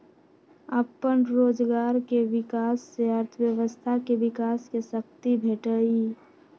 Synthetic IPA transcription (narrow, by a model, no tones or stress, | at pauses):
əpːənɾoːd͡ʒɡaːɾkeʋɪkaːsːeəɾt̪ʰəjəʋəst̪ʰakeʋɪkaːskesəkt̪ibʱeːʈəi